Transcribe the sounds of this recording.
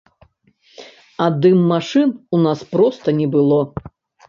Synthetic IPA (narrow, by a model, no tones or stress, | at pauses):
ɐd̪ɨmːaʂɨnunaspɾɔst̪ɐnʲɛbɨlˠɔ